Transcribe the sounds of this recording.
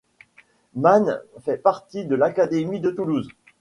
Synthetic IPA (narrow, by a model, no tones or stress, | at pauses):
manfɛpaʁt̪id̪əlakad̪emid̪ət̪uluz